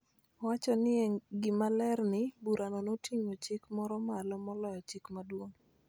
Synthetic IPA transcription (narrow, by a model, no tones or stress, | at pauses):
wat͡ʃɔnɪɛɡɪmalɛrnɪbuɾʔanɔnotʰiɲot͡ʃɪkmɔɾɔmalɔmɔlɔjɔt͡ʃɪkmadwoŋ